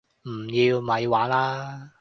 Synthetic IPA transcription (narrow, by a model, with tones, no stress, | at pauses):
m̩˨˩jiː˧wmɐ˨˧jwaː˨˥nlaː˥